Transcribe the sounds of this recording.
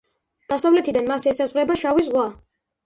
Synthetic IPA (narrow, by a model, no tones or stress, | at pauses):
d̪̥asavlɛt̪ʰid̪anmasɛsazʁɾɛbaʃavis̬ʁwa